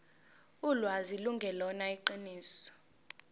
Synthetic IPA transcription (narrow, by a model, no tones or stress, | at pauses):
ulwaziluŋɡʱɛlɔnaiǃiniːsɔ̥